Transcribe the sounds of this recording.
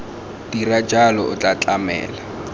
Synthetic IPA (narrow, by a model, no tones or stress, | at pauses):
d̥irḁd͡ʒalɔʔʊ̰t͡ɬʼat͡ɬʼamɛ̰ːla